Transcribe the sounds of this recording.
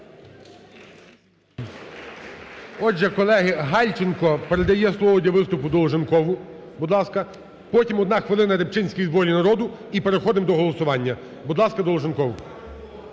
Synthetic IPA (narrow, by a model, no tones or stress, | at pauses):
ɔʒɛkɔlˠɛɦɪɦɑlʲt͡ʃɪnkɔpeɾed̪ɐjɛslˠɔʋɔdʲɐʋɪst̪ʊpʊd̪ɔlˠɔʒenkɔʋʊ | bud̪lˠɑskɐ | pɔtʲimɔd̪nɑxʋɪlˠɪnɐɾep̚t͡ʃɪnʲsʲkʲijzbɔɾʲinɐɾɔd̪ʊ | ipeɾexɔd̪ɪmd̪ɔɦɔlˠɔsʊʋɑnʲːɐ | bud̪lˠɑskɐd̪ɔlˠɔʒenkɔʋʊ